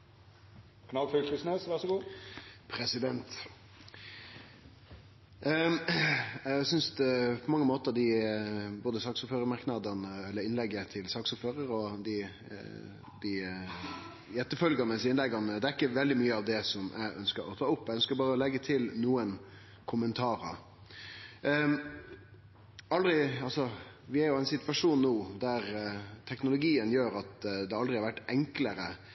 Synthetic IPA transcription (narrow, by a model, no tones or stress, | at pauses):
kʰnɑlfʏlkʰʉsneːsʋæʁʂɔɡuːpʰɾɛsɪd̪ɛnt̪ | æsʏnsd̪pʰɔmɑŋːəmoːt̪əɾd̪ɪboːd̪əsɑːksɔpføːɾəmɑɾknɑd̪ənəɛlːəɾɪnlɛɡːət̪ʰɪlsɑːksʊpføːɾəɾɔd̪ɪ | d̪̥ɪ | jɛt̪ːəfœlɡɑnəsɪnlɛɡɑnːəd̪ɛæɾɪkːəʋɛld̪ɪmyːəɑʋd̪ɛsɔmʔæ̰ɪʔœnskəɾɔ̰t̪ʰɑːʊpːæɪœnskəɾbɑːɾəɔlɛɡːət̪ʰɪlnuːən | kʰʊmənt̪ʰɑːɾə̰ | ɑld̪ɾɪɑlsɔʋɪæɾjʊæɪnsɪt̪ʋɑʂuːnːuːd̪æɾt̪ʰɛknʊlʊɡiːənjøːɾɑt̪d̪ɛɑld̪ɾɪhɑɾʋæʈːɛŋkləɾə